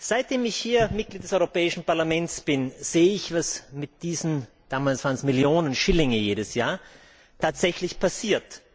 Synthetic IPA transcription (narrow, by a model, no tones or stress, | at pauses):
z̥aɪt̚d̥eːmɪçhiːɐmɪt̚ɡ̥liːt̚d̥ɛsɔʏʁopɛːɪʃn̩paɐlamɛntsb̥ɪnz̥eːəɪçv̥asmɪt̚d̥iːzn̩ | d̥aːmaːlsv̥aːɐnsmɪljoːnənʃɪlɪŋəjeːdəsjaːɐ | tʰaːtz̥ɛçlɪçpʰasiːɐt